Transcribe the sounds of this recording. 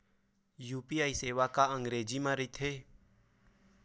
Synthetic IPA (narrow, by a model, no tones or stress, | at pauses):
juːpiːaːiseːʋakaə̃ŋɡɾeːd͡ʒimãɾəit̪ʰɦeː